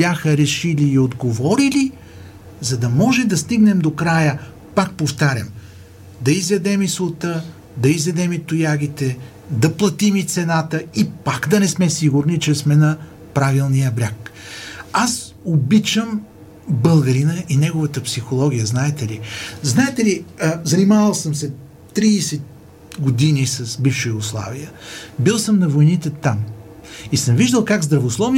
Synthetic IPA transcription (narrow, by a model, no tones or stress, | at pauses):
bjaxəɾɛʃiliːod̪ɡovɔɾili | zɐd̪ɐmɔʒɛd̪ɐst̪iɡnɛmd̪okɾajə | pak̚poft̪aɾʲə̰m | d̪ɐizɛd̪ɛmislˠot̪ə | d̪ɐizɛd̪ɛmit̪ʊjaɡ̟it̪ɛ | d̪ɐplˠɐt̪imit̪sɛnat̪əipakd̪ɐnɛsmɛsiɡʊɾnit͡ʃɛsmɛnɐ | pɾavilˠnijəbɾʲak | as | obit͡ʃəm | bəlˠɡɐɾinəʔinɛɡʊvət̪əpsixolˠɔɡʲijəznaɛt̪ɛliznaɛt̪ɛlizɐnimavəlˠsəmsɛ | t̪ɾisɛt̪̚ | ɡod̪inisɐsbifʃʊjuɡoslˠa̰vijəbilˠsəmnɐvojnit̪ɛt̪am | isəmviʒd̪əlˠkaɡzd̪ɾɐvoslˠɔvn